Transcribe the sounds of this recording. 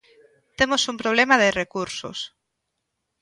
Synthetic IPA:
t̪emosumpɾoβ̞lemaðerekuɾsʊ̰s

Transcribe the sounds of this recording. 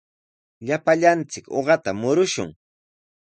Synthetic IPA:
ʎapaʎant͡sɪko̰ɢɑt̪amʊɾʊʃʊ̰ŋ

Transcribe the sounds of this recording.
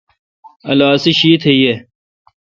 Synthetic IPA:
ɐ̰laːsiɕiːt̪ʰeije

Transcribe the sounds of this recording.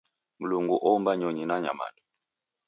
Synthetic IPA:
m̩luŋɡuʔɔumbaɲɔɲinaɲa̰ma̰nɔ

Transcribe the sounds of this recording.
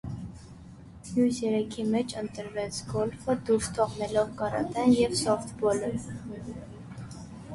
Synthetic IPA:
jusɛɾɛkʰimɛt͡ʃʰənt̪əɾvɛt͡sɡɔlfəd̪uɾʃt̪ʰɔʁnɛlɔvkɑɾɑ̰t̪ɛnjɛvsɔft̪bɔlə

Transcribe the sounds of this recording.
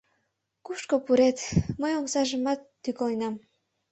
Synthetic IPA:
kuʃkopuɾet̪məjomsɑʒəmɑt̪ːykojnɑm

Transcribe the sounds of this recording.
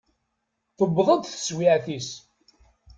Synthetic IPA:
θəbðˤəd̪θə̥swiʕθis

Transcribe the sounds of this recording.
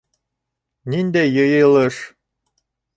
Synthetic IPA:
nind̪ejɤjɤ̆ɤlˠɤʂ

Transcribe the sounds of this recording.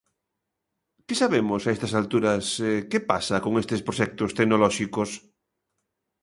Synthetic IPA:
kesaβemosaest̪asalt̪uɾasekepasakoŋest̪espɾoʃɛk̚t̪ost̪eɡnolɔʃikos

